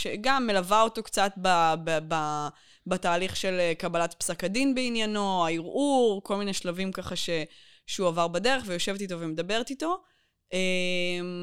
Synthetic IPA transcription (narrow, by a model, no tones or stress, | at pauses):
ʃeɡamːelavao̞to̞kt͡satbababa | bataːliχʃe̞lekabalatpsakadinbeinjano̞aiʁʔuʁko̞lmine̞ʃlavimkaχaʃe̞ | ʃeuavaʁbade̞ʁeχvejo̞ʃe̞vet̪ito̞vemed̪abe̞ʁtito̞ | ʔem